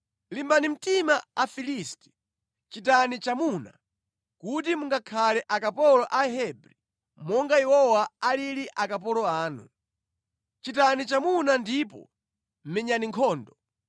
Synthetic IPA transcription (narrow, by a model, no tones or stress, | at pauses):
limbanim̩timaafilisti̥ | t͡ʃitanit͡ʃamuna̰ | kut̬imuŋɡakʰalɛʔakapɔlɔʔaɦɛbɾi | mɔŋɡaɛwɔwaaliɾiʔakap̬ɔlɔaːnṵ | t͡ʃitanit͡ʃamunandipɔ̰ | m̩mɛɲaniŋkʰɔːndɔ